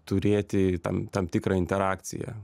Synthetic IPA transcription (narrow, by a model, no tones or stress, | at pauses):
t̪ʊɾʲeːt̪ʲɪt̪ɐ̰mt̪ɐmt̪ʲɪkɾɐɪnʲt̪ʲɛɾɑːkt̪sʲɪ̰jɛ̰